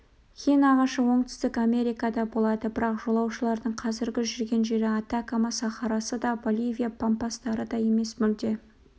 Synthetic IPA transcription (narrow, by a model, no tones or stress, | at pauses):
kʲijnɑʁɑʃəwo̞ɴt̪ʏ̥st̪ɪkame̞ɾijkɑd̪ɑbo̞lˠɑd̪əbɪɾɑqʒo̞lˠɑwʃəlˠɑɾd̪əɴqʰɑzɪɾɡʲɪʒʏɾɡʲe̞nʒe̞ɾɪɑt̪akamɑsɑχɑɾɑsəd̪ɑbolʲˠivʲijapʰompast̪ɑɾəd̪ɑje̞me̞smʏld̪e̞